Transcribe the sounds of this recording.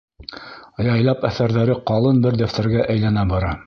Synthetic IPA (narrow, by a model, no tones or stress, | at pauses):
jɑjlˠɑpæθæɾðæɾɘqɑlˠɤnbɘɾd̪æft̪æ̆ɾɡæʔæjlænæbɑɾɑ